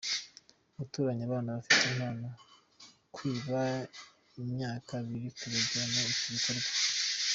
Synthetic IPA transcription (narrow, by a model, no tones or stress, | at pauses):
uβutuːɾaɲiaβaːnaβafitimhaːna | kwiːβa | imɲaːkaβiɾikuɾeɡanaiciβikoɾɡa